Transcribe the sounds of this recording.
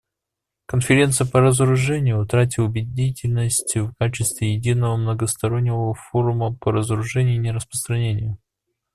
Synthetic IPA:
kənfʲɪɾʲe̞nt̪sɨjəpəɾəzəɾʊʐɛnʲɪjʊʊt̪ɾat̬ʲɪʊbʲɪdʲitʲɪlʲnəsʲtʲvkat͡ɕɪst̪vʲɪjɪdʲinəvəmnəɡəst̪ɐɾo̞nʲːɪvəfo̞ɾʊməpəɾəzəɾʊʐɛnʲɪjinʲɪɾəspɾəst̪ɾɐnʲenʲɪjʊ

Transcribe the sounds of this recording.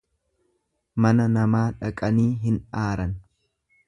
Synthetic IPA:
mɐnɐnɐmaːᶑɐkʼɐniːɦɪnaːɾɐn

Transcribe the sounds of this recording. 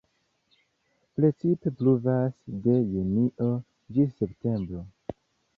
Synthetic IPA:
plet͡sitepluvasde̞juniʔo | d͡ʒisepte̞mbɾo

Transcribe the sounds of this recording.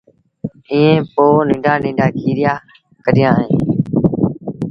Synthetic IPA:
ĩːẽːpoːnɪ̃ːɖaːnɪ̃ːɖaːkʰiːɾɪjaː | kəɾɪjãːɦẽː

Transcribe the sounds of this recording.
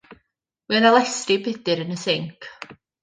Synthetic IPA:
wiənalˠɛstribɪdɨɾənəsɪŋkʰ

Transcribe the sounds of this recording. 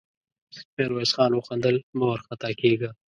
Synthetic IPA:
peɾweːsxɑːnwʊxand̪əlmowɾxat̪akeːɡaː

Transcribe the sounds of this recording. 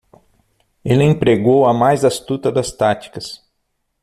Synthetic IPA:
elɪẽpɾeɡowɐmajzast̪ut̪ɐd̪ɐst̪at͡ʃ̪i̥kɐs

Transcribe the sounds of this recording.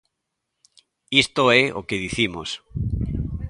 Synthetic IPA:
ist̪oɛʔo̰keðiθimos

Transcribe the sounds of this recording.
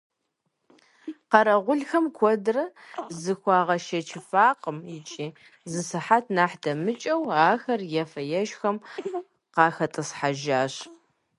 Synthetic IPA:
qɐɾɐʁʷʊɮxɐmkʷʰɔdɨrɐzɨxʷɑːʁɐʃɐt͡ʃʰɪfaːqʼəmjɪt͡ʃʼiː | zɨsɨħatʰnaːħdɐmɨt͡ʃʼɐwaːxɐrjɛfɐjɛʒxɐm | qɑːxɐtʼɨsħaʒaːɕ

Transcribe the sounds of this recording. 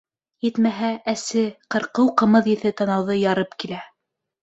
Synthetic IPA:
jɘt̪mæɦææsɘqɤ̆ɾqɤwqɤ̆mɤðjɘ̆θɘt̪ɑnɑwðɤjɑɾɤpkilæ

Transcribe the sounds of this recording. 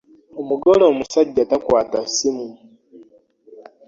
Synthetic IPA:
omuɡoloːmusaɟːatakwaːtasimu

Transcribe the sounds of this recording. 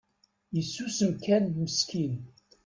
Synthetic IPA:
jəsːusəmkænməskʰin

